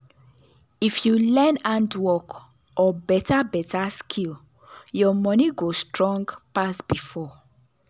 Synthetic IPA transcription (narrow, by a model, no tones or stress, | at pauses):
ifjulɛ̃nãndwɔk | ɔbɛtabɛtʰaskʰil | jɔmɔniɡostɹɔ̃ŋɡpasb̥ifɔ